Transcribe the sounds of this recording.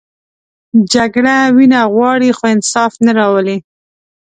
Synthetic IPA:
d͡ʒaɡɽawinaɣwɑɽixoɪnsɑfnaɾɑwəle

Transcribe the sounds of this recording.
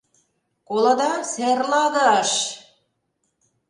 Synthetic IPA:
kolɤ̆d̪ɑserlɑɣɑʃ

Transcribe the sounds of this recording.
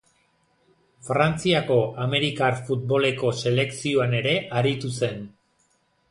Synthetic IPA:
fɾant͡siako̞ʔame̞ɾikaɾfut̪̚bo̞le̞ko̞se̞le̞ksioane̞ɾe̞ʔaɾit̪use̞n

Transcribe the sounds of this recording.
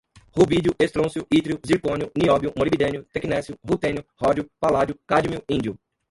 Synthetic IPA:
hubid͡ʒʊʔest̪ɾõsjʊit̪ɾiʊziɾkõnjʊniɔbiʊmoɾibid̪ẽnjʊt̪ekinɛsjʊhut̪ẽnjʊhɔd͡ʒʊpalad͡ʒʊkad͡ʒimiuĩd͡ʒiʊ

